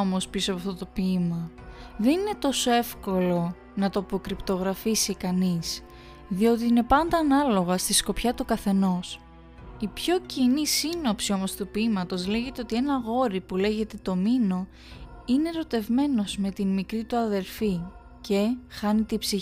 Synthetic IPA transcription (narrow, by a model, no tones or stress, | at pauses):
omo̞spisoɐpɐft̪o̞t̪o̞pimɐðe̞nine̞t̪o̞so̞e̞fko̞lo̞ | nɐt̪oɐpo̞kɾipt̪o̞ɣɾɐfisikɐnis | ðio̞t̪̬iine̞pɐnd̪ɐːnɐlo̞ɣɐst̪isko̞pçɐt̪ukɐθe̞no̞s | ipço̞cinisino̞psio̞mo̞st̪upimɐt̪o̞zle̞ʝe̞t̪eo̞t̪ie̞nɐɣo̞ɾipule̞ʝe̞t̪e̞t̪o̞mino̞ | ine̞ɾo̞t̪e̞vme̞no̞zme̞t̪inmikɾit̪uɐðe̞ɾfi | ce̞xɐnit̪ibsi